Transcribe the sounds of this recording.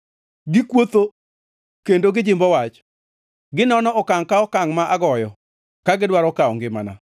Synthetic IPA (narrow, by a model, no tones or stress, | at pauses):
ɡɪkwot̪o | kendoɡɪd͡ʒɪmbɔwat͡ʃ | ɡɪnɔnɔɔkaŋkaɔkaŋmaʔaɡɔjɔ | kaɡɪdwaɾɔkaɔ̰ŋɡɪma̰na̰